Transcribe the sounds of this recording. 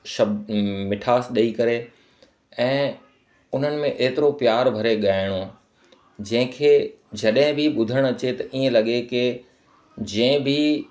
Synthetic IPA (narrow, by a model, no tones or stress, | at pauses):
ʃɐb̪mɪʈʰaːsɗɐikɐɾe | ɛ̃ː | ʊn̤ənɪ̆mẽʔeːt̪ɪɾopjaːɾbʱɐɾeɠaːɪɽ̃oãː | d͡ʑɐ̃ɦɪ̃kʰeːd͡ʑɐɗɦɪ̃bʱɪɓʊd̪ʱəɽ̃ɐt͡ɕet̪ɐʔiːə̃lɐɠekɪ | d͡ʑɛ̃ɪ̃bʱɪ